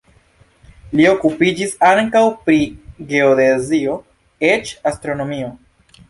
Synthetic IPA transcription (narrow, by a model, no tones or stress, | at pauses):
lio̞kupid͡ʒisaŋkawpɾiɡe̞odezio̞ | e̞t͡ʃastɾo̞no̞mio̞